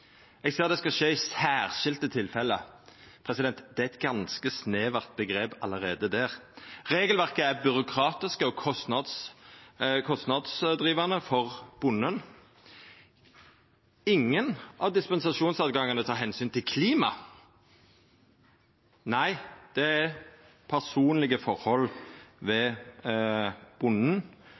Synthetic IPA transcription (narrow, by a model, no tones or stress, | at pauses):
ɛɡseːd̪ɛskɑʃeːɪsæːʁʃɪlt̪ət̪ʰɪlfɛlːə | pʰʁɛsɪd̪ɛnt̪d̪ɛæɛt̪̚ɡɑnskəsneːʋɑʁt̪̚bəɡʁeːpɑ̰ləʁeːd̪əd̪æːʁʁeːɡəlʋæʁkəæɾbʏɾʊkʰʁɑːt̪ɪskəɔkʰɔst̪nɑd̪s | kʰɔst̪nɑd̪sd̪ʁiːʋɑnəfɔʁb̥ʊnːən | ɪŋːənʔɑʋd̪ɪspɛnsɑʂuːnsɑːt̪̚ɡɑŋːənət̪ʰɑːʁɦɛnsyːnt̪ʰɪlkʰliːmɑ | næɪd̪̥ɛæ | pʰæʁsuːnlɪɡəfɔʁhɔlʋɛ | b̥ʊnn̩